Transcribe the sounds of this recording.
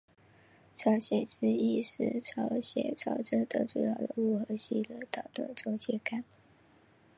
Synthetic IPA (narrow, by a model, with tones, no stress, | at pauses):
ʈ͡ʂʰɑ˧˥ʊɕjɛ˨˩ʈ͡ʂɻ̩˥i˥˩ʂɻ̩˥˩ʈ͡ʂʰɑ˧˥ʊɕjɛ̰˨˩ʈ͡ʂʰɑ˧˥ʊʈ͡ʂɤ˥d̪ə˨ʈ͡ʂu˨˩jɑ˥˩ʊd̪ə˩u˥˩xɤ˧˥ɕi˥lə˥t̪ɑ˨˩ʊd̪ə˧˩t͡swɔ˥˧t͡ɕjɛ˥˩ka˥˩˦n